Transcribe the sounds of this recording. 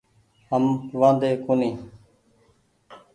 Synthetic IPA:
ɦəmʋãːnd̪eːkʊnĩː

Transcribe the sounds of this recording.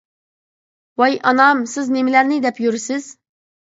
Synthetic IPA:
wɑjʔɑnɑmsɪznemɪlæɾnɪd̪ɛpjyɾysɪz̥

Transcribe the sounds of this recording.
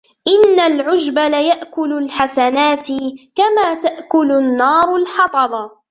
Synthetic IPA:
ʔɪnːalʕʊd͡ʒbalajaʔkʊlʊlħasanaːt̪ɪkamaːt̪aʔkʊlʊnːɑːɾˤʊlħɑt̪ˤɑɾˤɑ

